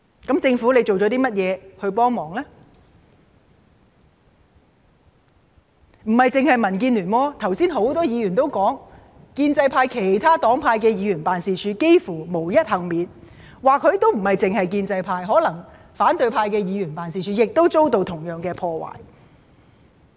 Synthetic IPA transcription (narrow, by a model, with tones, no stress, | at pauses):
kɐ˨˥mt͡sɪ˧ŋfu˨˥le˨˧jt͡so˨wt͡ʃɔː˨˥t̪iː˥mɐ˥t̚jɛː˨˧hɵ˧ɥpɔː˥ŋmɔː˨˩ŋlɛː˥ | m̩˨˩hɐ˨˩jt͡sɪ˨ŋhɐ˨jmɐ˨˩nk̬iː˧nlyː˨˩nwɔː˧t̪ʰɐ˨˩wsiː˥nɦo˨˥wt̪ɔː˥jiː˨˧jyː˨˩nt̪o˥wkɔː˨˥ŋ | kiː˧nt͡sɐ˧jpʰaː˧jkʰe˨˩jt̪ʰaː˥t̪ɔː˨˥ŋpʰaː˧jkɛː˧jiː˨˧˥ɥyː˨˩npaː˨nsiː˨t͡ʃʰyː˨˧ke˥jfuː˨˩mo˨˩wjɐ˥t̚hɐ˨˩ŋmiː˨˧n | waː˨kʰːɵ˨˧ɥt̪o˥wm̩˨˩hɐ˨jt͡sɪ˨ŋhɐ˨jkiː˧nt͡sɐ˧jpʰaː˧jɦɔː˨˥lɐ˨˩ŋ | faː˨˥nt̪ɵ˨˧ɥpʰaː˧jkɛː˧jiː˨˧jyː˨˩npaː˨ns̬iː˨˩t͡ʃʰyː˨˧jɪ˨k̚t̪o˥wt͡so˥wt̪o˧wt̪ʰʊ˨˩ŋjœː˨ŋkɛː˧pʰɔː˧wa̰ː˨˩j